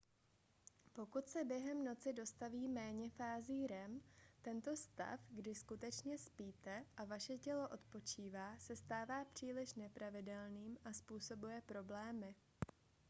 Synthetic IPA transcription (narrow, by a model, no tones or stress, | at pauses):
po̞kut̪sɛbjɛɦɛmno̞t͡sɪdo̞st̪aviːmɛːɲɛfaːziːɾɛmt̪ɛnt̪o̞st̪a̰fɡdɪskut̪ɛt͡ʃɲɛspiːt̪ɛʔavaʃɛcɛlo̞ʔo̞t̪po̞t͡ʃiːvaːsɛst̪aːvaːpr̝̥iːlɪʃnɛpɾavɪdɛlniːmʔaspuːso̞bujɛpɾo̞blɛːmɪ